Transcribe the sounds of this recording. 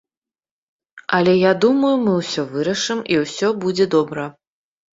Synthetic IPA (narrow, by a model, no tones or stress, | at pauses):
ɐlʲɛjad̪umɐjumɨwsʲɔvɨɾɐʂɨmiwsʲɔbud͡zʲɛd̪ɔbɾɐ